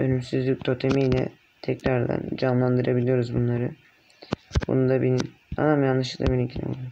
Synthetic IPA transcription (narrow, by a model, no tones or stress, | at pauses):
ønymsyzlʲyc̚t̪ʰo̞t̪ʰemijlʲɛ̰ | t̪ʰɛcɾaɾd̪a̰nd͡ʒamlˠand̪ɯɾʔabilʲijo̞ɾuzbunlˠaɾɯ | bṵnud̪abeni | a̰namjanˠɯʃɯkd̪a̰binincʰinɛ̰bṵlˠm